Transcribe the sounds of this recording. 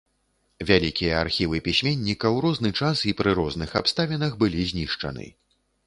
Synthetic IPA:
vʲalʲikʲijɐa̰rxʲivɨpʲisʲmʲenʲːikɐwɾɔznɨt͡ʂasipɾɨɾɔznɨxa̰pst̪avʲinɐxbɨlʲizʲnʲiʂt͡ʂɐ̰nɨ̰

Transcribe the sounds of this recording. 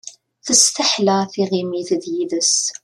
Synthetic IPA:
θəst̪əħlaθiʁimiθðjiðəs

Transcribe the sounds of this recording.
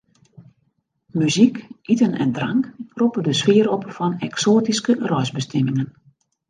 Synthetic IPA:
myzikitənɛ̰ndraŋkrupədəsfɪːəɾɔpfɔnɛksoːtiskərœjzbəstɛmɪŋən

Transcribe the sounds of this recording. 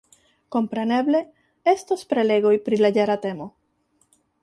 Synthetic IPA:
ko̞mpɾe̞ne̞ble̞ | est̪ospɾele̞ɣojpɾilaɟeɾat̪e̞mo

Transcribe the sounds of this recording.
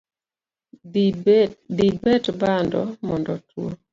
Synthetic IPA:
dibɛtbandɔmɔndɔtʰwo

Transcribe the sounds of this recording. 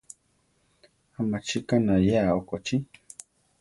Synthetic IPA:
amat͡ʃikanajaokot͡ʃi

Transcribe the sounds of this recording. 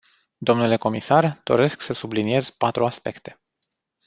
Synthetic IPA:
d̪o̞mnule̞ko̞misard̪̥o̞̰ɾe̞sksəsublinie̞z̥pat̪ɾuaspe̞̰kt̪e̞̥

